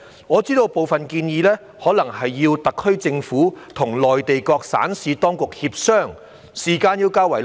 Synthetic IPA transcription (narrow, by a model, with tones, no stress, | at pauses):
ŋɔː˨˧t͡siː˥t̪o˧wpo˨wfɐ˨nkiː˧njiː˨˧lɛː˥ | hɔː˨˥lɐ˨˩ŋhɐ˨jːiː˧wt̪ɐ˨kʰːɵ˥ɥt͡sɪ˧ŋfuː˨˥t̪ʰʊ˨˩ŋlɔː˨jt̪e˨jkɔː˧k̚sa̰ː˨˥nsiː˨˧t̪ɔː˥ŋkʊ˨k̚hiː˧p̚sœː˥˩ŋ | siː˨˩kaː˧njiː˧wkaː˥wɐ˨˩j